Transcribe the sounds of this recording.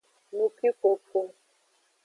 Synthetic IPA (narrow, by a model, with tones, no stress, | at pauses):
nu˨ki˦ko˨pʰo˦